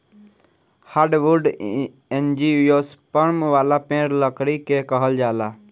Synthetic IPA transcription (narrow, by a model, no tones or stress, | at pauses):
haɾɖʋuɾɖ | end͡ʒiujospəɾmʋaːlapẽːɾləkɾikekəɦəld͡ʒaːla